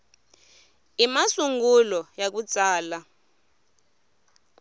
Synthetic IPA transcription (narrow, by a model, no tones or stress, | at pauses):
imasuŋɡulɔjak̬ut͡sʼaːla